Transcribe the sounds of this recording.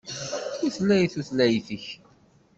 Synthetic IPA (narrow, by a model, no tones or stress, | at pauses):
θuθlːæjθuθlæjθəç